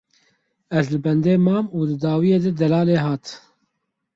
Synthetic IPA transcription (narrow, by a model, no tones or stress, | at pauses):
ɛzlɨbɛnd̪eːmɑːmuːd̪ɨd̪ɑːwijeːd̪ɨd̪ɛlɑːleːɦɑːt̪